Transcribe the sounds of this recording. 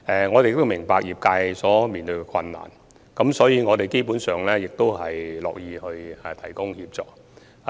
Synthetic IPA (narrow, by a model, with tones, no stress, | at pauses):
ɛ˨ŋɔː˨˧te˨jɪ˨k̚t̪o˥wmɪ˨˩ŋpaː˨k̚jiː˨˩p̚kaː˧jsɔː˨˥miː˨nt̪ɵ˧ɥkɛ˧kʰɐ˧nːa̰ː˨˩n | kɐ˨˥msɔː˨˥jiː˨˧ŋɔː˨˧t̪e˨jke˥jpuː˨˥nsœː˨ŋlɛː˥jɪ˨k̚t̪o˥wɦɐ˨jlɔ̰ː˨k̚jiː˨˧hɵ˧ɥɛ˨˩t̪ʰɐ˨˩jkʊ˥ŋhiː˧p̚t͡sɔ̰ː˨˥k̚